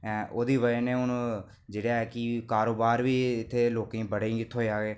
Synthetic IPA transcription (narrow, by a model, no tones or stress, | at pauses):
ɛ̃ːʔoːd̪iːʋəenẽːʊn | d͡ʒeːɽaːɦɛːkɪkaːɾoːbaːɾʋiːɪt̪ʰːeːloːkẽːbəɽẽːɪt̪ʰɦoːeaːɡeː